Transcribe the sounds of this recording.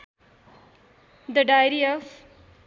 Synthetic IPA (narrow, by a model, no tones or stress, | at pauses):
d̪əɖajɾiɔf